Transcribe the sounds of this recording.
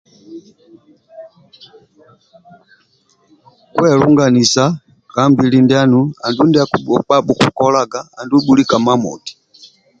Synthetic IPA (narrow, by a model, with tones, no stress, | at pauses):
kwɛlu˦ŋɡa˨ni˨sa | kambi˨lindɛa˦nua˨ndu˦ndia˦ku˨ɓɔ˨k͡pa˦ɓu˨ku˨kɔ˦la˦ɡaː˨ndu˦ɓuli˦ka˨ma˦mɔ̰˨ti̥˨